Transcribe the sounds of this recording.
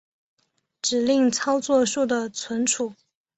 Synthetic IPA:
ʈ͡ʂɻ̩˨˩li˥˧ŋt͡sʰɑ˥ʊt͡swɔ˥˧ʂu˥˩d̪ə˩t͡sʰwə˧˥nʈ͡ʂʰu˨˩˦

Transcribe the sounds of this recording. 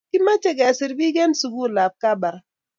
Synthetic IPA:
ki˦ma˦t͡ʃe˦˨ɡa˨si˨ɾbi˦ɡe˦nsu˨ɡu˦˨la˨b̚ka˦ba˨ɾ

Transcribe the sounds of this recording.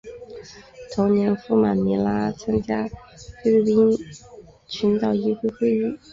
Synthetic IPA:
t̪ʰʊ˧˥ŋnjɛ˧˥nfu˥ma˨˩nmi˧˥la˥t͡sʰa˥ŋt͡ɕja˥ | fe˥lpi˥n | t͡ɕʰy˧˥nt̪ɑ˥˩ʊi˥xwe˥˧ɪxwe˥˧ɪy˥˩

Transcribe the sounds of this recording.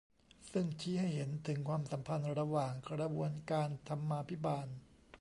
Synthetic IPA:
sɯ˥˩ŋt͡ɕʰiː˦˥ha˥˩jɦe˩˦nt̪ʰɯ˩˦ŋkʰwaː˧msa˩˦mpʰa˧nɾa˧waː˨˩ŋkɾa˧bu˧ənkaː˧nt̪ʰa˧mːaː˧pʰi˦˥baː˧n

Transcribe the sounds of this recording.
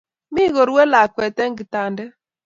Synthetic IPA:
mi˦ɣo˨ɾu˦we˦la˨kwɛ˨tɛ˦ŋ̩˦ɡi˨ta˨ndɛ˦

